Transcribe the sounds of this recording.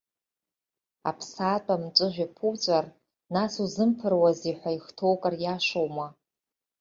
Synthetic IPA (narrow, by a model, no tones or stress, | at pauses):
a̰pʰsaːtʷʼamt͡ʃʷʼɨʒᶣʷapʰuwt͡sʷʼar | nasuzɨmpʰɨrwaziħʷaiχtʰowkʼarjaʃʷowma